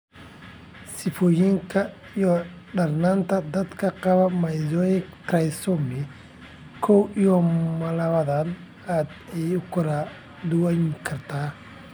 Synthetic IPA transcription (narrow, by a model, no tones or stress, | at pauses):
sɪfɔːjɪŋkʰɐ | ijɔ | ɖɐrnaːnt̪ʰɐd̪ɐd̪kʰɐqɑβɐmɐjðɔjɛkɾɐjsɔmɪ | kʰɔwijɔmɐlɐβɐðɐn | aːd̪ɛjʊkʰʊɾɐ | d̪ʊwɛŋkʰɐrt̪ʰaː